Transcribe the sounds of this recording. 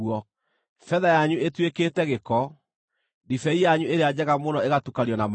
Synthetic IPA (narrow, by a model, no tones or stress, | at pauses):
ɔ | fɛðajaɲuetwekeːtɛɣekɔ | difɛijaɲueɾead͡ʑɛɣamonɔeɣatukaɾjɔnam